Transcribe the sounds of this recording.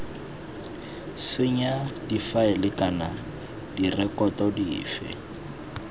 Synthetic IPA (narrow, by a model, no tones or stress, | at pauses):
sɪɲad̥ifaɪlɪkana | d̥irɛkɔtɔdiːfɛ̰